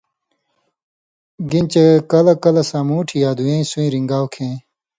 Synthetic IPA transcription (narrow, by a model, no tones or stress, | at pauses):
ɡint͡ɕekɐlɐkɐlɐsãːmuːʈʰijaːd̪uẽːĩsuĩɾiŋɡaːwkʰẽː